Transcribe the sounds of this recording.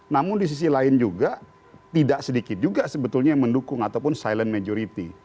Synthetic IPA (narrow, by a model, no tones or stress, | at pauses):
namʊndis̬is̬ilaɪnd͡ʒuɡa | t̪idaʔsədikɪt̪̚d͡ʒuɡasəbət̪ʊlɲaməndukʊŋat̪awpʊnsajlənmad͡ʒoɾit̪i